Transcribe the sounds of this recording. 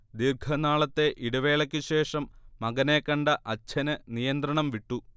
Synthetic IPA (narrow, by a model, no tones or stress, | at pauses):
d̪irɡʰɐnaːɭɐt̪ːe̞ʔiɽɐʋe̞ːɭɐkʲːɨɕe̞ːʂɐmːɐɡɐne̞ːkːɐɳɖɐʔɐt͡ɕʰːɐnɨnijɐnd̪ɾɐɳɐmʋiʈːu